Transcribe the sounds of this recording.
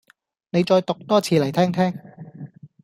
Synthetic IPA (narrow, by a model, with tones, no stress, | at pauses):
ne˨˧jt͡sɔː˧jt̪ʊ˨k̚t̪ɔː˥t͡sʰiː˧lɐ˨˩jt̪ʰɛː˥ŋt̪ʰɛː˥ŋ